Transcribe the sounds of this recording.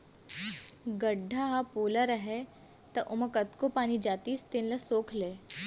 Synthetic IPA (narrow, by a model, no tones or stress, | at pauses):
ɡɐɖʱaɦapoːləɾɐɦe | t̪ɐʔʊmɐkɐt̪kopaːnid͡ʒaːt̪iːst̪enlɐsoːkʰleː